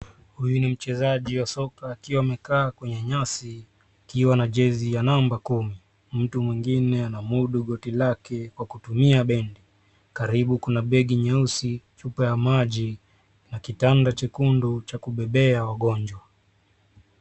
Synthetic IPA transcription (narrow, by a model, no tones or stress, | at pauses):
hujunim̩t͡ʃɛzaʄiwasɔkaːkiwaːmɛkaːkwɛɲɛɲasiː | kiwanaʄɛzijanambakumi | m̩tumwiŋɡinɛanamuɗuɠɔtilakɛkwakutumiaɓɛndi | kaɾiɓukunaɓɛɠiɲɛusit͡ʃupajamaʄi | nakitandat͡ʃɛkundut͡ʃakuɓɛɓɛawaɠɔɲd͡ʒwa